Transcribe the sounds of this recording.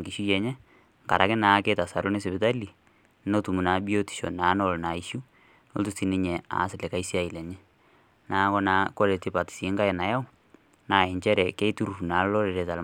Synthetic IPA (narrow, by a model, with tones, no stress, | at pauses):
ŋki˨ʃu˦jɛ˨ɲɛ˦ | ŋka̰˨ɾa˨kɪ˦naː˨˦ke˦ta˨sa˨ɾo˦ne˦sɪ˨bɪ˦ta˦li˨ | no˦tu˨mu˨na˨˦bi˦o˦ti̥˨ʃo̰˨na˨˦nɔ˨lna˨i˦ʃu˦ | no̰˦ltu˦sti˨˦nɪ˦ɲɛ˨a̰˨˦sɪ˨lɛ˨ka˦i˦si˦a˦˨i˨lɛ˨ɲɛ˦ | naː˨˦kɔ˦na˨˦ko˦ɾe˨ti˦pa˨ti̥˨si˨˦ŋka˦ɪ˨na˨ja˦w | naː˨˦˨ɛ˨ɲt͡ʃɛ˦ɾɛ˨ke˦i˦tu˦ɾu˨u˨na˨˦lɔ˦ɾe˨ɾe˨ta˨l